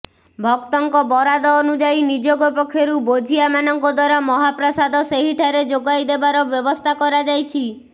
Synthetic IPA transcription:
bʱɔk̚t̪ɔŋkɔbɔɾad̪ɔːnud͡ʒajnid͡ʒoɡɔpɔkʰːjɔɾubod͡ʒʱiamanɔŋkɔd̪waɾɔmɔɦapɾɔsad̪ɔseɦiʈʰaɾed͡ʒoɡajd̪ebaɾɔbjɔbɔst̪ʰakɔɾad͡ʒajt͡ʃʰi

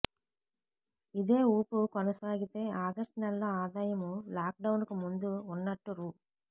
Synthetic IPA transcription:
id̪e̞ːuːpukɔnɐsaːɡit̪e̞ːaːɡ̪ɐʂʈinɐlːɐaːd̪aːjɐmulaːk̚ɖɐwunkumund̪uunːɐʈːuɾuː

